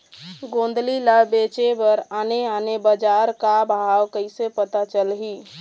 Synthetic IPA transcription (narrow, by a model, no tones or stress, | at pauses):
ɡõnd̪lilabet͡ʃebəɾaneanebəd͡ʒaɾkabʱaawkəɪsepət̪at͡ʃəlɦi